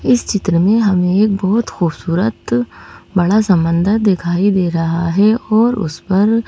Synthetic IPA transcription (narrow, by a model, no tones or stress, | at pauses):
ɪst͡ʃɪt̪ɾəmẽɦɐmẽeːk̚bɔɦʊt̪xuːbsuːɾət̪bɐɽasɐ̃mbə̃nd̪əɾd̪ɪkʰaːid̪eːɾɐɦaɦɛɔːɾʊ̰spɐɾ